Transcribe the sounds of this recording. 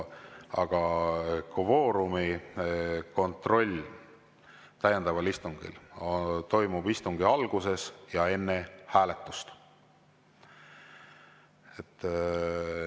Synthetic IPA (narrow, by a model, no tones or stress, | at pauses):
ɑɡ̥ɑkvo̞ːɾumi | ko̞nt̪ro̞lʲː | t̪æjend̪ɑvɑlist̪uŋɡ̥ḭlt̪o̞jmub̥ist̪uŋɡ̥iɑlɡ̥use̞sjɑe̞nːe̞hæːle̞t̪ːˑu̥st̪ | et̪ːˑ